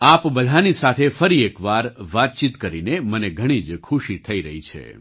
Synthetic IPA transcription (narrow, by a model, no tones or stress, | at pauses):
apbəd̪ʱanisat̪ʰefəɾiekʋaɾʋat̪̚t͡ʃit̪kəɾineməneɡʱəɽ̃id͡ʒkʰuʃit̪ʰəiɾəɦit͡ʃʰḛ